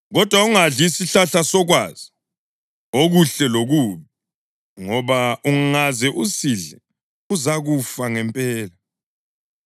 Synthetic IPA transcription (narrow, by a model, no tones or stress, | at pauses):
ɣɔd̥ʱwauŋaɮisiɬaɬasɔɣwa̰ːz̥i | oɣuɬɛloɣuːβɛ | ŋɔβauŋŋazɛʔusiɮɛ̰ | uzaɣufaŋɛmpʼɛːla